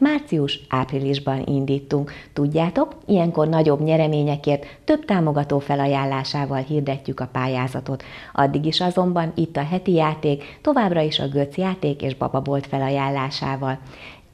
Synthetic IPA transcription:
maːrt̪siuʃʔaːpriliʒbɒnʔḭnd̪iːt̪ːuŋkt̪uɟːaːt̪o̞kijɛŋko̞rnɒɟo̞bɲɛɾɛmeːɲɛkeːrt̪ːø̞bt̪aːmo̞ɡɒt̪oːfɛlɒjaːlːaːʃaːvɒlɦiːrd̪ɛcːykɒpaːjaːzɒt̪o̞t̪ | ɒ̰d̪ːiɡiʃɒzo̞mbɒnit̪ːɒɦɛt̪ijaːt̪eːkt̪o̞vaːbrɒiʃɒ̰ɡøt̪sjaːt̪eːkḛːʒbɒ̰bɒbo̞lt̪fɛlɒjaːlːaːʃaːvɒl

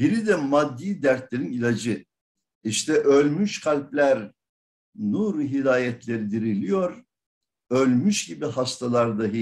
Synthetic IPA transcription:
b̥iɾid̪ɛmad̪ːiːd̪æɾt̪lʲeɾinilʲad͡ʒɯ | iʃt̪ʰɛʔølʲmyʃkʰalʲplʲæɾ | nuɾɦid̪aːjɛt̪ʰlʲe̞ɾid̪iɾilʲijo̞ɾ | ølʲmyʃɟibiɦast̪ʰalˠaɾd̪aɦi

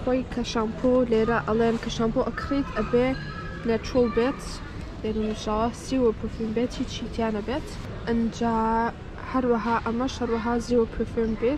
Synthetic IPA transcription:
xoːjkʰɐʃaːmpʰoːleːɾɐʔɐleːnkʰɐʃaːmpoʔɐkʰɾiːt̪ʰʔɐbeː | netɾəlˠbeːt̪ | leːnunʃasiːwəpʰofuːmbeːt̪ʰiːt͡ʃʰiːt̪ʰjaːnɐbeːt̪ | ʔɨnd͡ʒaː | hɐɾwɐɦaːʔɐmɐʃhɐɾwɐɦaːziwəpʰofumbet̪

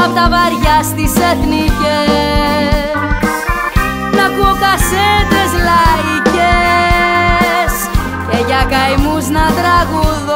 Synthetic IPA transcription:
pot̪ɐvɐɾʝɐst̪iseθnice | nɐkuokɐset̪ezlɐice | s | ceʝɐkɐjmuznɐt̪ɾɐɣuðo

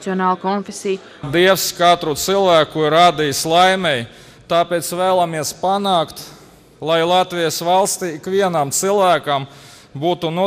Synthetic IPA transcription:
siɔnɑːlˠkɔnfesij | d̪iɛwskat̪ɾut̪silˠvæːkuiɾad̪ijslˠajmʲɛj | t̪aːpʲeːt̪svæːlˠamiɛspanɑːkt̪ | lˠajlˠat̪vʲijəsʋalˠst̪iːikʋiɛnamt̪silˠvæːkam | buːt̪unu

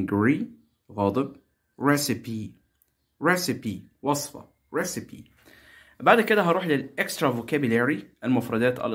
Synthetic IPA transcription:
ɡɾi | ɣɑːd̪ˤɨb̚ | ɾesɪpi | ɾesɪpiwɑsˤfɑ̰ | ɾesɪpḭ | baʕd̪ked̪æɦɑɾuːħlɪlʔekst̪ɾˤɑvokæbʊlæɾiʔælmʊfɾˤɑd̪æːt̪æ̰l

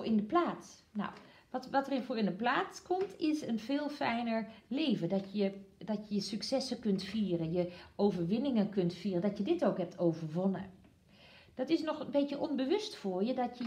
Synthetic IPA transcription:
ɪndəplaːsna̰wʋtʋɔtərɪnfoɹɪndəplaːt͡skʰomtʰɪsənfɪːlˠfɛjnəɹleːvədɔəd̥ɔtjəjəsyksɛsəkøntfiːərənjəʔoːvəɹʋɪnɪŋəkøntfiːrəndɔtjədɪtoːkɦɛp̚tʰoːvəɹʋonə | d̥ɔtɪsnɔxənbeːtjəʔɔnbəʋʏstfoəɹjədɔtjə

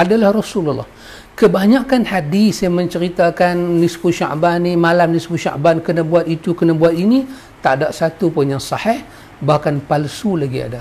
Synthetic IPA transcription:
ʔadalahrɔsululːɔ̰h | kəbaɲakanhadisjaŋməɲt͡ʃəɾit̪akanːispuʃa̰ʔbanimalamnispuʃa̰ʔbankənabuat̪it̪ukənabuat̪̚ini | t̪aʔdaʔsat̪upunjaŋsɑhɛh | bahkanpalsulaɡia̰da

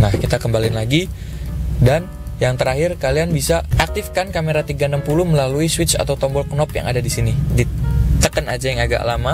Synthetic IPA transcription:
nahkit̪akəmbalɪnlaɡi | dan | jaŋt̪əɾaɦɪrkalianbisaʔak̚t̪ifkankameɾat̪iɡanampuluhməlaluiswɪt̪t͡ʃa̰t̪awt̪ɔmbɔlknɔpja̰ŋa̰dadisinidit̪əkənad͡ʒajaŋaɡa̰ʔlama

